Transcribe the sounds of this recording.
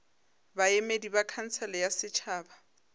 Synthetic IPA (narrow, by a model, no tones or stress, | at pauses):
baemedibakʰan̩t͡sʰɛlɛjasɪt͡ʃʰaːba